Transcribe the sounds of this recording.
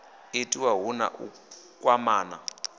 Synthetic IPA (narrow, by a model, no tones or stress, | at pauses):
etʼiwaɦuna̰ʔṵ | kʼwamaːna